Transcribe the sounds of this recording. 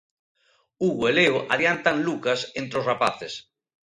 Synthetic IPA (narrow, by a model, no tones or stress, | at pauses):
uɣweleoʔa̰ðjant̪anlukasẽnt̪ɾosrapaθes